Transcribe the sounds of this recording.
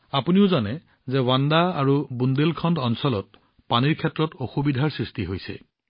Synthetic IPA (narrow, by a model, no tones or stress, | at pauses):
apuniʊzanɛ | zɛwandaaɹubundelkʰɔndɔnsɔlɔt̚ | paniɹkʰɛtɹɔtoxubidʱaɹsɹistiɦojsɛ̰